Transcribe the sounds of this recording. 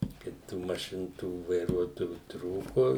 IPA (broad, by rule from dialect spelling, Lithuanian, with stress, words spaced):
ˈkɐɪp tuː mɐˈʃʲɪn tuː ʋɐɪˈruɔtoːjuː ˈtruːkʊ